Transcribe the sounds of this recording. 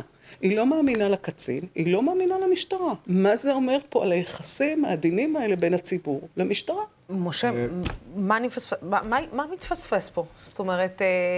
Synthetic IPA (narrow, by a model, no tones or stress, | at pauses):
ilo̞maːminalakat͡sḭnilo̞maːminalamiʃtaʁamazeo̞me̞ʁpo̞a̰lajeχasimaːd̪inimae̞le̞be̞nat͡sibuʁlemiʃtaʁa | moʃe | manifasfemamamamit̪fasfespo̞sto̞meʁet